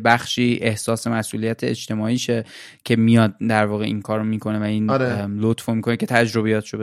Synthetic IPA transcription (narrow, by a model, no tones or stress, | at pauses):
bæxʃiːʔe̞hsɒːse̞mæsʔuːlijæt̪ʰeḛt͡ʃt̪ʰe̞mɒːiːʃe | cʲʰe̞mijɒːd̪̚d̪æɾvɒːɣeʔiːŋkʰɒːɾomiːkʰo̞ne̞væiːnɒɾelot̪fomikonecʰe̞t̪ʰæd͡ʒɾo̞βijɒːt̪ʰe̥ʃob